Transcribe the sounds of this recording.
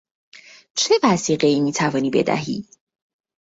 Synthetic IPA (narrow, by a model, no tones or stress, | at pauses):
t͡ʃʰe̞væsiːɢe̞iːmiːt̪ʰævɒːniːbe̞̰d̪æ̰ɦḭː